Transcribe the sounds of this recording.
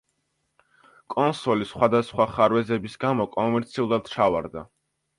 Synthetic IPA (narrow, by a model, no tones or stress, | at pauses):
kʼɔnsɔlisχwad̪asχwaχaɾwɛzɛbisɡamɔkʼɔmɛɾt̪sʰiulˠad̪̥t͡ʃʰava̰ɾd̪a